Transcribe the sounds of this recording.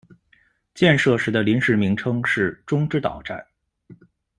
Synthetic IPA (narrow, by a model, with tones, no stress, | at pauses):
t͡ɕjɛ˥˧nʂɤ˥˩ʂɻ̩˧˥d̪ə˧li˧˥nʂɻ̩˧˥mi˧˥ŋʈ͡ʂʰɤ˥ŋʂɻ̩˥˩ʈ͡ʂʊ˥ŋʈ͡ʂɻ̩˥t̪ɑ̰˨˩ʊʈ͡ʂa̰˥˩n